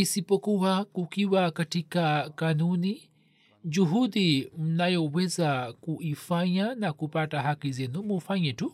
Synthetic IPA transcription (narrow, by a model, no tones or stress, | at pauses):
isipɔkuwakukiwakatikakanuni | d͡ʒuɦuɗim̩najɔwɛzakuʔifaɲanakupataɦakizɛnumufaɲɛtu